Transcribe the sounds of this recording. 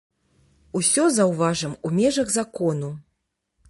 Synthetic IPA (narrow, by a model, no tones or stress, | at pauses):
usʲɔzɐwvaʐɐmumʲɛʐɐɣzakɔnu